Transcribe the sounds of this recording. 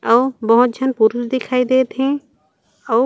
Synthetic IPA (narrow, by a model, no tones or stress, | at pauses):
awbɔɦɔ̃d͡ʒʱanpuɾusd̪ɛkʰajd̪ɛt̪ʰẽ | aw